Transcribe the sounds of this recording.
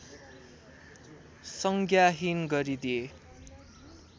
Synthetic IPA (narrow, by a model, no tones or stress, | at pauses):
sʌŋɡʱjaɦinɡʌɾid̪ije